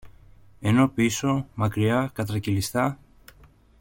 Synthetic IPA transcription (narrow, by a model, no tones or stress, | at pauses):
eno̞piso̞mɐkɾiɐkɐt̪ɾɐcilist̪ɐ